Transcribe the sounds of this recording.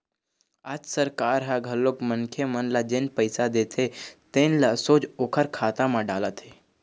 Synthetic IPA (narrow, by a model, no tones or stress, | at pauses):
aːd͡ʒsəɾkaːɾɦaɡʱəlːokmənkʰemənlad͡ʒeːnpəɪsad̪eːt̪ʰet̪ẽnlasoːd͡ʒoːkʰəɾkʰaːt̪amãɖaːlət̪e